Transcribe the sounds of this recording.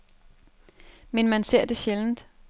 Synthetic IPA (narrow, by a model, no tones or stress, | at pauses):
menmænse̝ɐ̰d̥e̝ɕeln̩d̥